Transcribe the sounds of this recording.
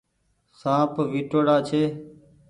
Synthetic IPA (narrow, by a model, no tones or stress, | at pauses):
sãːpʋiːʈoːɽaːt͡ʃʰeː